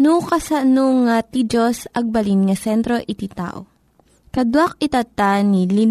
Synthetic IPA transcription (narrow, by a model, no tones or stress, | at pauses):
nukɐsanoŋat̪id͡ʒosɐɡ̚bɐlinŋɐsɛnt̪ɾoʔɪt̪it̪a̰ʔo̰ | kɐd̪wak̚ɪt̪at̪anili